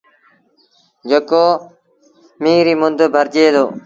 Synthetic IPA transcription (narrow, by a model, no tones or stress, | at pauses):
d͡ʒəkoː | miːɾiːmʊnd̪bʱəɾd͡ʒeːd̪oː